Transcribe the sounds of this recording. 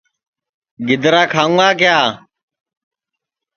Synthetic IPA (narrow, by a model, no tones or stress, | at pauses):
ɡɪd̪ɾaːkʰaːũʋaːk̬ɪjaː